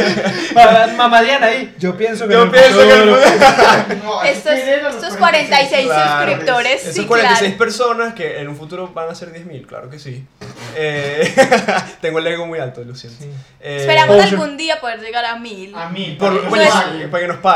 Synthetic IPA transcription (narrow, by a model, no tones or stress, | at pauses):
amazmaðjanai | d͡ʒopjensokopjenoke | oest̪oineloososkwaɾenajsejauskɾip̚t̪oɾesest̪ːoskwaɾenajsejspeɾso̞naskeenũɱfut̪uɾoβaŋase̞ɾðjezmilkla̰ɾokesie | t̪eŋɡoeleɣomujalt̪oilusjent̪ | eespeɾamoalɣund̪iapo̞ðeɾʝeɣaɾamilamilpoɾlwepaɾkenospa